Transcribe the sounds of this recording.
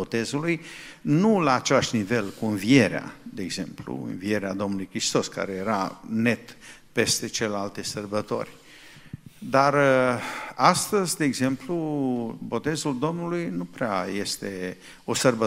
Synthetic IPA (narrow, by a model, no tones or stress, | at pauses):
ot̪e̞zulujnulaːt͡ʃe̞laʃnive̞lkuɨnvie̞ɾea̰d̪e̞eɡz̥e̞mplṵɨ̰nvie̞ɾead̪o̞mnulujkɾist̪o̞ska̰ɾeje̞ɾane̞t̪ | pe̞st̪e̞t͡ʃelealt̪esərbət̪o̰rʲ | d̪ar | ast̪əzʲd̪e̞ːɡze̞mplubo̞t̪e̞zuld̪o̞mnulujnupɾeaje̞st̪e̞ | o̞sərbə